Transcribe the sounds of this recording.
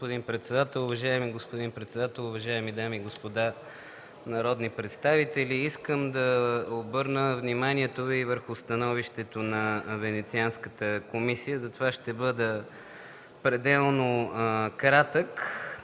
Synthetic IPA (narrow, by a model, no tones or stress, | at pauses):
pod̪inpɾɛt̪sɛd̪at̪ɛlˠʊvɐʒaɛmiɡospod̪inpɾɛt̪sɛd̪at̪ɛlˠʊvɐʒaɛmid̪amiɡospod̪a | nɐɾɔd̪nipɾɛt̪st̪avit̪ɛliiskəmd̪ɐobɤɾnəvnimaniɛt̪ovivəɾxʊst̪ɐnɔviʃt̪ɛt̪onɐvɛnɛt̪sianskət̪əkomisijəzɐt̪ovaʃt̪ɛbɤd̪ə | pɾɛd̪ɛlˠnokɾat̪ək